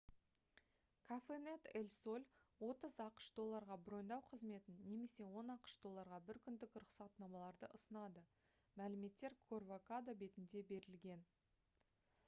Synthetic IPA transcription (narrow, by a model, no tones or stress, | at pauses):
kʰafenet̪elʲso̞lʲwo̞t̪əzɑqə̥ʃd̪o̞lˠːɑɾʁɑbɾo̞jnd̪ɑwqʰəzme̞t̪ɪnːe̞me̞se̞wo̞nɑqə̥ʃd̪o̞lˠːɑɾʁɑbɪɾkʲʰʏnd̪ɪkɾʊχsɑt̪nɑmɑlˠɑɾd̪əʔʊsənɑd̪ə | mælɪme̞t̪ːe̞ɾkʰorvokad̪obe̞t̪ɪnd̪e̞be̞ɾɪlɡʲe̞n